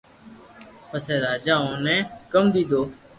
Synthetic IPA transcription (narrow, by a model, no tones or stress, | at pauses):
pəsɛːɾaːd͡ʒaːõːnɛ̃ːkəmd̪iːd̪oː